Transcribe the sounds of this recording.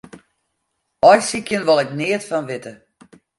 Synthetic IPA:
ɔjsikjənʋɔlɛknɪətfɔnʋɪtə

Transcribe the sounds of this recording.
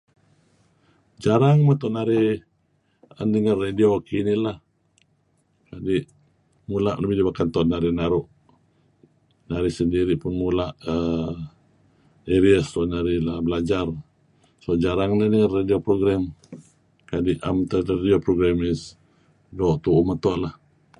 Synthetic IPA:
d͡ʒaɾaŋmat̪ɔʔnaɾɪh | əndəŋarːediokʰinilah | kadiʔ | mulaʔləbihdibakant̪ɔʔnaɾɪhnaɾuʔ | naɾɪhsəndiɾiʔpʊnmulaʔə | eɾiəst̪ɔʔnaɾɪhlabəlad͡ʒar | sod͡ʒaɾaŋnanəŋarːadiopɾoɡɾɛm | kadiʔamt̪əaediopɾoɡɾamis | dɔʔt̪uʔumət̪ɔʔlah

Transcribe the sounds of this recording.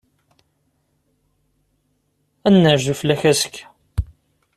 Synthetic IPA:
ænːəɾʒəflæçæsə̥k

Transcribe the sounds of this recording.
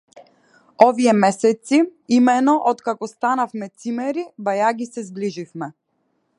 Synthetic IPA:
ɔviɛmɛsɛt̪siimɛnɔʔɔt̪kakɔst̪anafmɛt̪simɛɾibajaɡisɛzbliʒifmɛ

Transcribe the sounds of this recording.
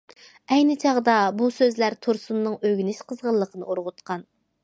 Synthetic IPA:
ɛjnɪt͡ʃʰɑʁd̪ɑbusøzlæɾt̪ʰoɾsunːɨŋøɡʲynɪʃqʰəzʁəlˠːəqʰənɨ̰oɾʁʊt̪qʰɑn

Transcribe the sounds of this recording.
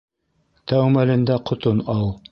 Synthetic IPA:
t̪æwmælɘ̆nd̪æqʰŏt̪onɑlˠ

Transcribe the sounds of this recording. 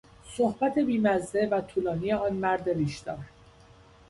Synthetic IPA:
sohbæt̪ʰe̞biːmæzːe̞væt̪ʰuːlɒːniːje̞ɒːnmæɾd̪e̞ɾiːʃd̪ɒːɾ

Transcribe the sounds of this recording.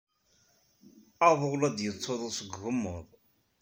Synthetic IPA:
ɑðˤoʁlæd̪jət͡sˤːoðˤəˤsəɡːʊmːʊðˤ

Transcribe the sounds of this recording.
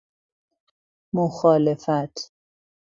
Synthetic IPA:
moxɒːlefæt̪ʰ

